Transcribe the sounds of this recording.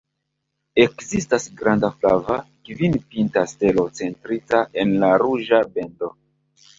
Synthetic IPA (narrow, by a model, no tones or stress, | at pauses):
e̞kzistasɡɾandafla̰vakvinpintaste̞lo̞t͡se̞ntɾitaʔe̞nlaɾuʒabe̞ndo̞